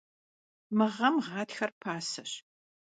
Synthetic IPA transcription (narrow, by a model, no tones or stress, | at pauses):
mɨʁɐmʁɑːtxɐrpʰaːsɐɕ